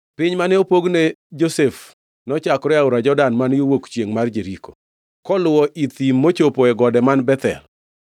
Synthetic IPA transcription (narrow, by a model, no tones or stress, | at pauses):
pɪɲmanɛopoɡned͡ʒosef | nɔt͡ʃakɾɔaʊɾad͡ʒɔdanmanjowokt͡ʃjeŋmard͡ʒeɾiko | kɔlʊwɔʔit̪imːot͡ʃopoɛɡɔdɛmanbɛt̪ɛ̰l